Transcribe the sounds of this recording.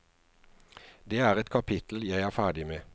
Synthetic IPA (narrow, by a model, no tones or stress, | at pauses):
d̪eːæːʁɛt̪kʰɑpʰɪt̪l̩jæɪæːfæːɖɪmeː